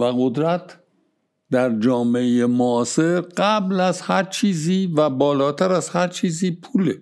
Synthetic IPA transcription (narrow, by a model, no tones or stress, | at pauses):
væɣod̪ɾæt̪ʰ | d̪æɾd͡ʒɒːmeejemoːseɾɢæblæzhæɾt͡ʃʰiːziːvæbɒːlɒːt̪ʰæɾæz̥hæɾt͡ʃʰiːziːpʰuːle